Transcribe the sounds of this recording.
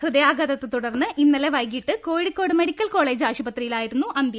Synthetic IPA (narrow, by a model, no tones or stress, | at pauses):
hrɨðɐjaːɡɐðɐt̪ːet̪uɽɐrnːɨʔinːɐleʋɐjkiʈːɨko̞ːɻikkːo̞ːɽɨme̞ɽikʲːɐlko̞ːɭe̞ːd͡ʑaːɕubɐt̪rijilaːjiɾunːuʔɐnd̪jɐ